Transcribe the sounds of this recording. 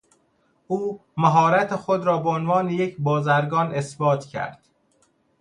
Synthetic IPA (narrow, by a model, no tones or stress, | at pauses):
ʔuːmæɦɒːɾæt̪ʰexod̪ɾɒːbeonvɒːneje̞cʰbɒːzæɾɡɒːne̞sbɒːt̪ʰcʰæ̰ɾd̪̥